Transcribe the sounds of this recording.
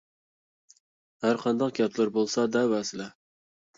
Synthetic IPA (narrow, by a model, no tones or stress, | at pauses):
hæɾqʰɑnd̪ɑqɡʲɛt̪ʰlˠɪɾbolˠsɑd̪æwæsɪlɛ